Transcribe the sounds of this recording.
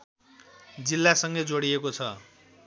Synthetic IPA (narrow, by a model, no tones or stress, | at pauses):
d͡zilːasʌŋɡed͡zoɽiekot͡sʰʌ